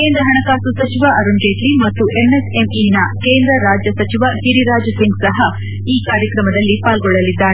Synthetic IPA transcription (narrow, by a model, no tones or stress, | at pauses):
keːnd̪ɾɐɦɐɳɐkaːsusɐt͡ʃiʋaʔɐɾuɳd͡ʒeːʈlimɐt̪ːuʔenese̞minɐkeːnd̪ɾɐɾaːd͡ʒjɐsɐt͡ʃiʋahiɾiɾaːd͡ʒsiŋɡsɐɦɐ | iːkaːɾjɐkɾɐmɐd̪ɐlːipaːlɡɔɭːɐlid̪ːaːɾe